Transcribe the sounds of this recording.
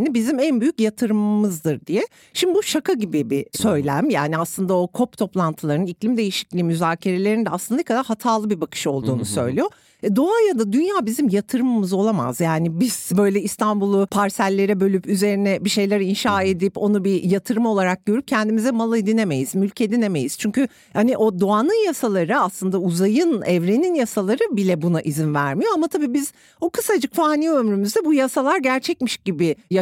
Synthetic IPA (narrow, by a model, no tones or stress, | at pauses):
nibizimænbyjycjat̪ʰɯɾɯmːɯzd̪ɯɾd̪ijɛ | ʃimd̪ibuʃakʰaɟibibisø̞jlʲæmjaːniaslˠɯnd̪ao̞kʰo̞pt̪ʰo̞plˠant̪ʰɯlˠaɾnɯniclʲimd̪e̞jiʃi̥clʲiːmyzaːcʰe̞ɾe̞lʲe̞ɾind̪ɛaslˠɯnd̪akʰad̪aɾɦat̪ʰaːlˠɯbibakʰɯ̥ʃo̞lˠd̪uːnusø̞̰jlʲijo | ɛd̪o̞ajad̪ad̪ynjaːbizimjat̪ʰɯɾɯmɯmɯzo̞lˠama̰zjaːnibiz̥bø̞jlʲɛist̪ʰanbulˠupʰaɾsælʲːe̞ɾɛbø̞lʲypyze̞ɾinɛbiʃe̞jlʲæɾinʃaːe̞d̪ipo̞nubijat̪ʰɯɾɯmo̞lˠaɾak̚ɟ̥ø̞ɾyp̚cʰɛnd̪imizɛmalˠɯed̪ine̞me̞jiz̥mylʲcʰe̞d̪ine̞me̞jiz̥t͡ʃʰyɲcy | haniʔo̞d̪o̞anɯnjasalˠaɾɯaslˠɯnd̪auzajɯnɛvɾeninjasalˠaɾɯbilʲɛbunaʔizinvæɾmijo̞amat̪ʰabiːbiz̥ | okʰɯsad͡ʒɯkfaːniːømɾymyzd̪ɛbujasalˠaɾɟæɾt͡ʃʰɛcmiʃɟibɪja